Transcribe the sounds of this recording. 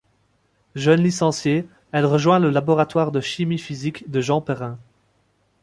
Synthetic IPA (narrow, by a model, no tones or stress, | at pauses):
ʒənlisɑ̃sje | ɛlʁəʒwɛ̃ləlabɔʁat̪waʁd̪əʃimifizikd̪əʒɑ̃pɛʁɛ̃